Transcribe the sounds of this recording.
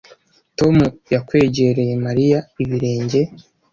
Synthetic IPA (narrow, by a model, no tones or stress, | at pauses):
to̞mujakwe̞ːɟeɾe̞je̞maɾijaiβiɾe̞ːɲɟe̞